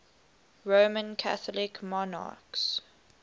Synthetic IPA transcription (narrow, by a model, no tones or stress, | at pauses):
ɹoːmə̃nkʰa̰θɔlɪkmɔna̰ːˑks